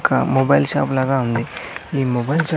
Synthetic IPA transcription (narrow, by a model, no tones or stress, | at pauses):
kamobajlɕa̰plaɡaund̪eimobajlt͡ɕa